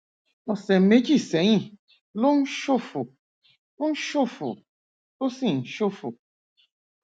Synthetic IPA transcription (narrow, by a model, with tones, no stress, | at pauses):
ɔ˨sɛ˨me˨˦d͡ʒi˦˨sɛ˨˦ɲĩ˦˨ | lo˦n̩˦ʃo˦˨fu˨ | u˦ʃo˦˨fṵ˨ | o˦si˦˨n̩˨ʃo˦˨fu˨